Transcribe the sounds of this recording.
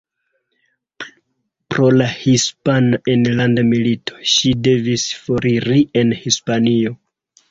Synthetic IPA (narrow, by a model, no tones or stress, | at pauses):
pɾo̞lahispanaʔenlandamilitʰo̞̥ʃide̞visfoɾiɾie̞nhispanio̞